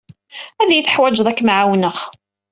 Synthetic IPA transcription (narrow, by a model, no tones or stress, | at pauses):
æðjiθəħwæd͡ʒðˤækːmʕawnəχ